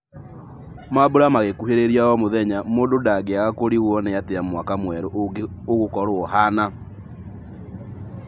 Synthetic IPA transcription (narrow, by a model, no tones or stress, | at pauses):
maboɾamaɣekuheɾeɾiaɔmoðɛɲamoːndodaɡeaɣakoɾiɣwɔnejateamwakamwɛɾooɣokɔɾoɔɦana